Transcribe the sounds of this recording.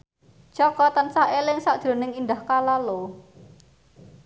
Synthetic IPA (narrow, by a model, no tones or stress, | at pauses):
t͡ʃɔkɔt̪ansahelɪŋsaʔd̪̥ɾo̤nɪŋind̪ahkalalo